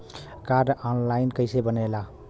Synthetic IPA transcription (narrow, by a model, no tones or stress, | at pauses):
kaɾɖɔnlajnkəɪsebənela